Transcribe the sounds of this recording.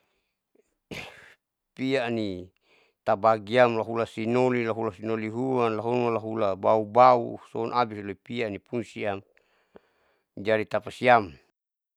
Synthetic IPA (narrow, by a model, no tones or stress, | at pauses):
piani | t̪abaɡiamlaɦulasinolilaɦulasinoliɦuwanlaɦunmalaɦulabaubaṵsɔnʔabisloipianipunsiam | d͡ʒadit̪apasiam